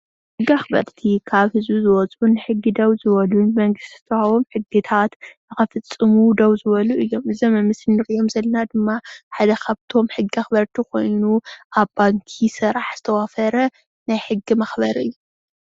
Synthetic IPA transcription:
ħɨɡːiaxbɐ̰ɾt̪ʰikʰaβhɨzbuzɨwɔt͡sʼunɨħɨɡːid̪ɐwzɨβɐlunmɐŋɡɨst̪t̪ʰawomħɨɡːit̪ʰat̪ | ɨxɐfɨt͡sʼːɨmud̪ɐwzɨβɐluʔɨjːo̞mʔɨzɐmɨmːɨsɨnɨɾijo̞mzɐlɐnad̪ɨmːaħad̪ɐkʰaβt̪ʰo̞mħɨɡːiaxbɐɾt̪ʰikʰo̞̰jnuʔabaŋkʰisɨɾaħz̥ɨt̪ʰɐwafɐɾɐ | najħɨɡːimɐxbɐɾʔɨjːu

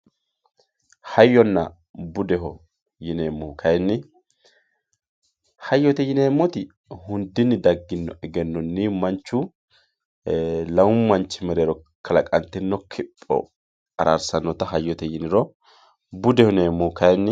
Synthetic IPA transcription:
hɐjːɔnːɐ̰ | bʊd̪ɛɦɔ | jɪneːmːʊhkʰɐjnːɪ | hɐjːɔt̪ɛjɪneːmːɔt̪ɪ | hʊnd̪ɪnːɪd̪ɐɡːɪnːɔɛɡɛnːɔnːɪmɐnt͡ʃːʊ | lɐwʊmmːɐnt͡ʃːɪmɛɾeːɾɔ | kʰɐlɐkʼɐnt̪ːɪnːɔkʰɪpʼːɔ̰ | ɐɾʔaɾsɐnːɔt̪ɐɦɐjːɔt̪ɛjɪnɪɾɔ | bʊd̪ɛhɔneːmːʊʊkɐjnːɪ

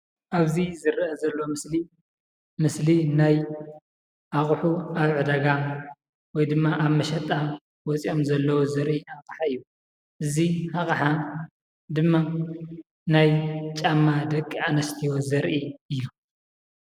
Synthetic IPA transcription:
ʔaβzizɨɾʔɐzɐlːoomɨsli | mɨslinaj | ʔaχʼħuaβʕɨd̪ɐɡam | wɔjd̪ɨmːaʔaβmɐʃɐt̪ʼa | wɔt͡sʼio̞mzɐlːɐwozɐɾʔiakʼħaɨjːu | ʔɨzihaχʼħa | d̪ɨmːa | najt͡ʃʼamːad̪ɐkʼːianɐst̪ʰiwozɐɾʔiɨjːu

